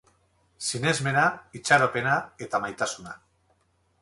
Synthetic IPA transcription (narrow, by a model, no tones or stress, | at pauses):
sinezme̞nait͡ʃaɾope̞nae̞t̪amajt̪asuna